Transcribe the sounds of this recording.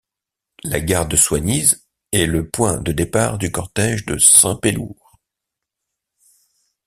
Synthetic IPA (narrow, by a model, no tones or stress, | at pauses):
la̰ɡaʁd̪əswaɲiz | ɛləpwɛ̰̃d̪əd̪epaʁd̪ykɔʁt̪ɛʒd̪əsɛ̃peluʁ